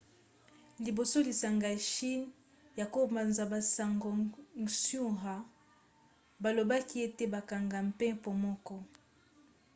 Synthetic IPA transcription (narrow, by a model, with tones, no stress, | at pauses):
li˨bo˨so˦li˨sa˨ŋɡa˨ʃi˦n | ja˨ko˦ma˨nza˨ba˨sa˨ŋɡo˨sju˦ʁa˨ | ba˨lo˨ba˦ki˦e˦te˦ba˨ka˨ŋɡa˨m̩˨pɛ̃˦po˨mɔ˦kɔ˦